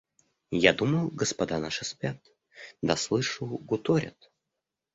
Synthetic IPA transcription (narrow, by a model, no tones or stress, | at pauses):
jad̪uməlˠɡəspɐd̪anaʂɨspʲat̪ | d̪aslˠɨʂɨlˠɡʊt̪oɾʲɪ̰t̪